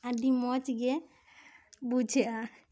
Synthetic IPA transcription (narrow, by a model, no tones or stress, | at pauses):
aɖimɔt͡ʃiɡɛ | bud͡ʒʱɛʔa